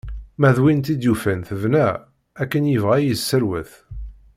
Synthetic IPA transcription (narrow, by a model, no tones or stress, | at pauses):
mæðwint̪id̪jufænθəvnæ | ækːənjəvʁæjəsːəɾwəθ